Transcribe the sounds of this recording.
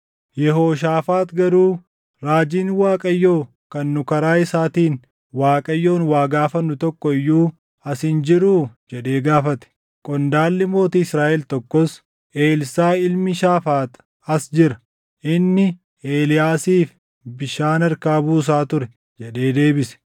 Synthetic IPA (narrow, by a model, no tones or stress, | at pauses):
jɛɦo̞ːʃ̬aːfaːt̪ɡɐɾuː | ɾaːd͡ʒiːnwaːkʼɐjːo̞ː | kɐnːʊkɐɾaːɪsaːt̪iːn | waːkʼɐjːo̞ːnwaːɡaːfɐnːʊt̪ɔkːɔɪjːuː | ɐsɪnd͡ʒɪɾuːd͡ʒɛᶑe̞ːɡaːfɐt̪ɛ̥ | kʼɔnd̪aːlːɪmo̞ːt̪iːɪsɾaːʔɛlt̪ɔkːɔs | ʔe̞ːlsaːɪlmɪʃaːfaːt̪ | ɐsd͡ʒɪɾɐ | ʔɪnːɪ | eːlɪjaːsiːf | bɪʃaːnɐɾkaːbuːs̬aːt̪ʊɾɛ | d͡ʒɛɗe̞ːd̪e̞ːbɪsɛ̥